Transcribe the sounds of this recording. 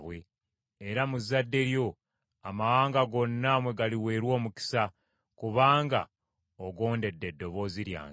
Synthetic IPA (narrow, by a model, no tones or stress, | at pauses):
βwe̞ | eɾamuzadːe̞ɾjo̞ | amawaːŋɡaɡo̞nːamwe̞ɡaliwe̞ːɾwo̞ːmuki̥sa | kuβaːŋɡa̰ | oɡo̞ːnde̞dːe̞dːo̞βo̞ːziɾja̰ːŋ